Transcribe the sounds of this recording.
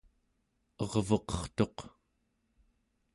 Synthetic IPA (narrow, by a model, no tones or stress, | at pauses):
ʌʁvʌqʌ̥χt̪o̞q